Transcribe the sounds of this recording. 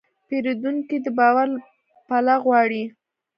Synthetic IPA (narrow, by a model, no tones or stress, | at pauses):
peɾed̪uŋkid̪əbɑwaɾ | palaɣwɑɽi